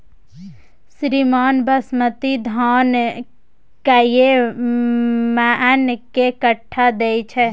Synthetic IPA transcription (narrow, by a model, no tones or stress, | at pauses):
sɾimaːnbəsmət̪id̪ʱaːn | kaje | mɛʔɛnkekəʈʰːad̪eit͡ʃʰɛ